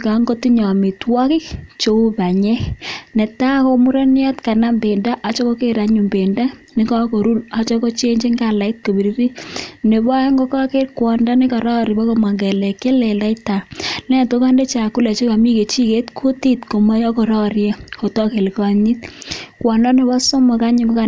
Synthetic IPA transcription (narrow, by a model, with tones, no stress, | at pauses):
ka˨ŋɡo˦ti˦ɲɔ˨mi˨twɔ˦kɪ˦kt͡ʃo˨˦u˦pa˨ɲɛ˦nɛ˨ta˦ko˦mu˦ɾa˦njɔ˦tka˨na˦mbe˨nda˦ʔa˨t͡ʃɔ˦ko˦ke˦ɾa˨ɲu˨mbe˨nda˦ni˦kɔ˦ko˨ɾu˦la˨t͡ʃɔ˦ko˦t͡ʃe˦ɲd͡ʒi˦ŋɡa˦la˨i˦t̚ko˨bi˨ɾiɾi˦ne˨bɔ˦ŋɡo˦kɔ˦ke˦ɾkwɔ˨nda˦nɪ˦kɔ˨ɾɔ˦ɾi˨bɔ˦ko˦ma˨ŋɡɛ˨lɛ˨ke˦le˨la˦i˦ta˨nɛ˦˨to˦ka˦nde˦t͡ʃa˨ku˦le˨t͡ʃe˦ka˨mi˦ke˨t͡ʃi˦ke˦tkʰo˦ti˦tko˨ma˦jɔ˦ko˨ɾɔ˦ɾja˦ko˨tɔ˦ke˨lkɔ˨ɲi˦tkwɔ˨ndɔ˦ne˨bɔ˦so˦mo˨ka˦ɲu˦˨ŋɡo˦ka˨